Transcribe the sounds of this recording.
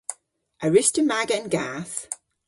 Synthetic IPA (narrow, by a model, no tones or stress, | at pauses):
ʔəɹɪstəmaɡəə̃nɡas